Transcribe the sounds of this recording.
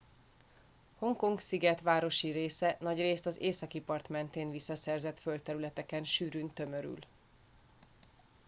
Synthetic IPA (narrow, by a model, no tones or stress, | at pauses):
ho̞ŋko̞ŋksiɡɛt̪ʋaːɾo̞ʃiɾeːsɛnɒɟreːst̪ɒzḛːsɒkipɒrt̪mɛnt̪eːnvisːɒsɛrzɛt̪fø̞lt̪ɛɾylɛt̪ɛkɛnʃyːɾynt̪ø̞mø̞ɾy̰l